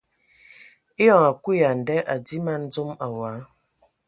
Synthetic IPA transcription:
e˦jɔ˨ŋa˨kʷi˦a˨n̩˨dɛ˦ʔa˨di˦ma˦n̩˦d͡zo˦ma˨waː˨˦

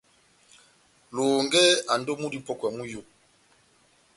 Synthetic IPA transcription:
lɔː˨ŋɡɛ˦a˨ndɔ˦mu˦di˦pɔ˦ka˨mu˦jo˨

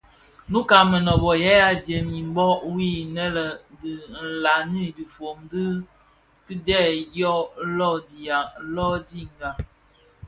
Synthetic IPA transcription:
nu˦ka˨mə˨nɔ˨bɔ˨jɛ˦a˦dje˨mi˨m˦bɔ˦wi˦˨nɛ˦lə˨di˨n̩˨la˨ni˦di˨fo˨mdɨ˦ | ki˦dɛ˦˨jɔ˦lɔ˦˨di˨a˨˦lɔ˦di˦ŋ˨ɡa˨

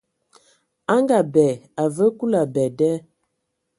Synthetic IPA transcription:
a˦ŋɡa˨bɛ˨a˨və˦ku˦la˨bɛ˨dɛ˦

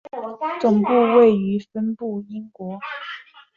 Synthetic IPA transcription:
t͡sʊ˨˩ŋpu˥˧we˥˩ɪy˧˥fə˥npu˥˩i˥ŋkwɔ˧˥

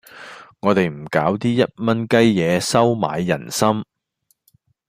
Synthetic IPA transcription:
ŋɔː˨˧t̪e˨jm̩˨˩kaː˨˥wt̪iː˥jɐ˥t̚mɐ˥nkɐ˥jːɛː˨˧sɐ˥wma̰ː˨˧jːɐ̰˨˩nsɐ˥m

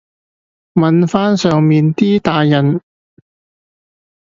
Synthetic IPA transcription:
mɐ˨˧nfaː˥nsœː˨ŋmiː˨˧nt̪iː˥t̪aː˨˧jjɐ˨n

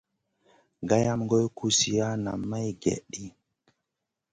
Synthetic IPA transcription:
ɡa˦ja˦mɡo˦jkʰu˦si˨ja˦na˨mːa˦jɡḛ˨ɗi˦

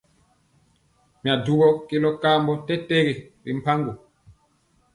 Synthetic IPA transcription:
mi˨a˨du˦ɡɔ˦ke˦lɔ˦kaː˦mbɔ˦tɛ˦te˦ɣe˨ɾi˨m̩˨pa˦ŋɡu˨

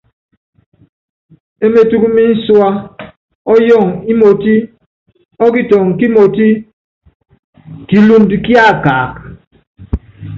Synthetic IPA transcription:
e˦me˦tu˦ku˦mi˦n̩˦swa˦ | ɔ˦jɔ˦˨ŋi˦mo˨ti˦ | ɔ˦ki˦tɔ˨ŋ˨ki˦mo˨ti˦ | ki˨lu˦n˦di˨ki˦a˦˨kaː˨k

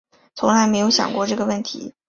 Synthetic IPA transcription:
t͡sʰʊ˧˥ŋla˧˥ɪme˧˥ɪjo˧˥ʊɕjɑ̰˨˩ŋkwɔ˥˧ʈ͡ʂɤ˥˩ɡə˩wə˥˩nt̪ʰḭ˧˥

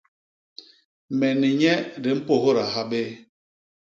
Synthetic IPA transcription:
mɛ˨ni˨ɲɛ˦ɾi˨m̩˦po˨ɦo˦ɾa˨ɦa˦ɓe˦

